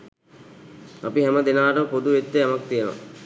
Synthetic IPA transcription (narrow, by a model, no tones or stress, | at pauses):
apiɦɛməd̪enaːʈəpod̪uʋet̪ːeamak̚t̪ijəno̰ʋa̰